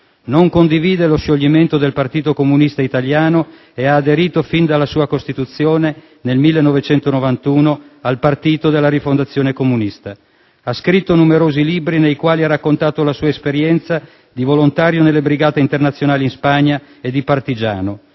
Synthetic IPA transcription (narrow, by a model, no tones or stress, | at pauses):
noŋkond̪iviːd̪eloʃːoʎːiment̪od̪elpart̪iːt̪okomunist̪ait̪aljaːno | eaːd̪eɾiːt̪ofind̪alːasuːakost̪it̪ut̪sːjoːne | nelmilːenːovet͡ʃɛnt̪onovant̪uːnoalpart̪iːt̪od̪elːaɾifond̪at̪sːjoːnekomunist̪a | askɾit̪ːonumeɾoːzilibɾinejkwaːliarakːont̪aːt̪olasuːaespeɾjɛnt̪sa | d̪ivolont̪aːɾjonelːebɾiɡaːt̪eint̪ernat̪sːjonaːlinspaɲːa | ed̪ipart̪id͡ʒa̰ːno